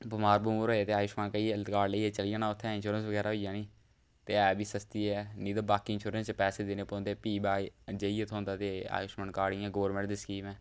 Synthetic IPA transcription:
bʊmaːɾbumːɾɦoːeːt̪eːaːjʊʃmaːnkəiːkaːɽleiːɛːt͡ʃəlɪjaːnaːʊt̪ʰːɛ̃ːɪnʃuːɾənsʋəɡɛːɾaːɦoijãːniː | t̪eːɛːbʱiːsəst̪iːɛːniːd̪aːbaːkiːɪnʃuːɾənst͡ʃpɛːseːd̪ɪneːpõːnd̪eːpiːbaːd͡ʒəiːot̪ʰõːnd̪aːt̪eːa̰ːjʊʃmaːnkaːɽɪːãːɡoːɾmẽːɳʈd̪ɪskiːʋɛ̃ː

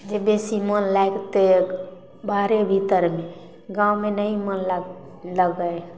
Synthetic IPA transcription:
d͡ʒebesimənlaekt̪e | baɾebʱit̪əɾmẽ | ɡãwmenəimənl | ləɡəe

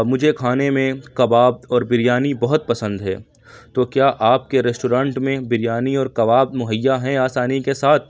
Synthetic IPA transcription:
mʊd͡ʒʱekʰaːnemẽkɐbaːb̚ɔːɾbɪɾijaːnibɐɦʊt̪̚pɐsə̃nd̪ɦɛː | t̪oːkjaːʔaːp̚keɾɛsʈuːɾãːɳʈmẽbɪɾijaːniɔːɾkɐʋaːb̚mʊɦəjːaɦɛ̃aːsaːnikesaːt̪ʰ

